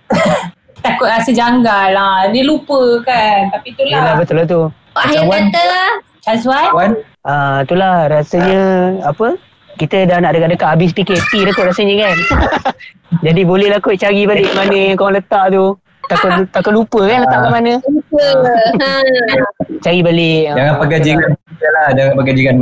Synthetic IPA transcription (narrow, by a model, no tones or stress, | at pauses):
t̪akʊt̪̚rasəd͡ʒaŋɡalanilupəkant̪apit̪ulalabət̪ʊlat̪̬u | awant̪ə | t͡ʃas̬wanwan | at̪ulahɾasəɲəapə | kit̪ədahnaʔdəkadəkaʔabɪs̬əpikɪt̪tit̪akʊt̪ʔ̚ɾasəɲəkan | d͡ʒadibolɛhlakʊʔ̪̚t͡ʃaɣibalɪʔmanə̃jaŋkoŋlət̪aʔt̪u | t̪akʊt̪t̪akʊt̪lupəkanlət̪aʔkaʔmanə̃upə | t͡ʃaɣibalɪkad͡ʒaŋanpəɡəd͡ʒiŋaniəlad͡ʒaŋanpəɡəd͡ʒiŋan